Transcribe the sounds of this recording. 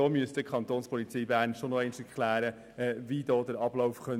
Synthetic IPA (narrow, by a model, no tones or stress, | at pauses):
ɔːmyəsd̥əkʰɑnt̪oːnspʰɔlit͡siːbæːnʃonɔɛɪnʃɛɾkʰlæːɾə | ɛvidɔːdəɾɑb̥lɔʊfχœ